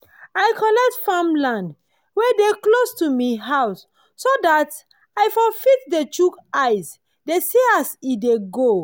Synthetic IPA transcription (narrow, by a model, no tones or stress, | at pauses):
ajkʰɔnɛk̚tfãmlãnd | wedeklostumiɦaʊsː | odat | ajfɔfit̚det͡ʃukaɪs | deseasideɡo